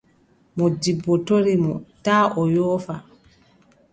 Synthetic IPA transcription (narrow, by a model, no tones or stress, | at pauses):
mɔdibːɔtoɾimɔtaːʔɔjɔːfa